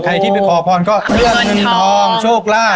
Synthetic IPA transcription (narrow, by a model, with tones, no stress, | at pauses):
kʰɾa˧jt̪ʰiː˥˩pe˧npʰɔː˨˩˦pʰɔː˧nkɔː˥˩ɾɯ˥˩ək̚ŋɤ˧nt̪ʰɔː˧ŋt͡ɕʰoː˥˩k̚laː˥˩